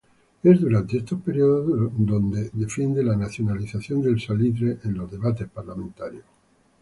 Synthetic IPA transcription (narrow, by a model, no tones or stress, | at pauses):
ezðuɾant̪eest̪ospeɾjoðod̪ond̪eðefend̪elanaθjonaliθaθjond̪elsalit̪ɾeʔenlozðeβat̪espaɾlamẽnt̪aɾjo